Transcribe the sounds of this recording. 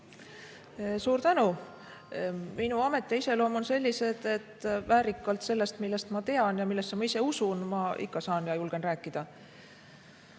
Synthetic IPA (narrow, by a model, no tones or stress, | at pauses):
suːɾt̪ænu | minuɑme̞t̪ːˑeise̞lo̞ːmo̞nse̞lʲːise̞d̪̥e̞t̪ːvæːɾikːˑɑlt̪se̞lːe̞st̪milːe̞st̪mɑt̪e̞ɑnjɑmilːestːemɑise̞usunmɑḭkːɑsɑːnjɑjulɡ̥e̞nræːkːid̪̥ɑ